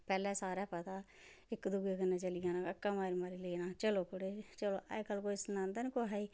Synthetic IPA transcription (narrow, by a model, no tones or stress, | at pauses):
pɛːlɛːsaːɾaːpət̪aː | ɪkd̪ʊɡaːkənːeːt͡ʃəlɪːãːnaːkəkːãːmaːɾiːmaːɾiːleːnaːt͡ʃəloːkʊɽeːt͡ʃəloːʔɛ̰kəlːkoːisnãːnd̪aːnikoːɦaːiː